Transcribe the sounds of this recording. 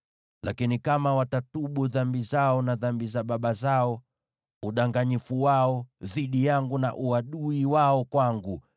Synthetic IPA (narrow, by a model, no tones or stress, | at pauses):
lʔakinikamawatatuɓuðambizaɔnaðambizaɓaɓazaɔ | uɗaŋɡaɲifuwaɔðiɗijaŋɡuna̰ʔuaɗuiwaɔkwaŋɡu